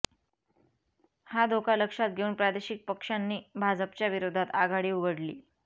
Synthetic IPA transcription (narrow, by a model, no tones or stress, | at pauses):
had̪ʱokaləkʂat̪̚ɡʱeuːnpɾad̪eɕik̚pəkʂanːiːbʱad͡zəp̚t͡ɕjaʋiɾod̪ʱat̪aɡʱaɽiːuɡəɽlḭː